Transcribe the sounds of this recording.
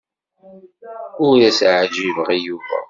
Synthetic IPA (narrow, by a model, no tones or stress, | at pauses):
ʊɾæsʕd͡ʒivəʁijuvæ̰